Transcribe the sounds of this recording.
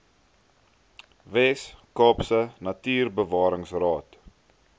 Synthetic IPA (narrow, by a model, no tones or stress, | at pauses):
vɛskɑːpsənɐtiːrbəvɑːɾəŋsrɑːt